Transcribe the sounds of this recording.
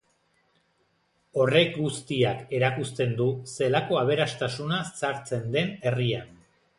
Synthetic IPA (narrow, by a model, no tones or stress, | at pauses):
o̞re̞kɡust̪iake̞ɾakust̪e̞nd̪use̞lako̞aβ̞e̞ɾast̪asunasaɾt͡se̞nd̪e̞ne̞rian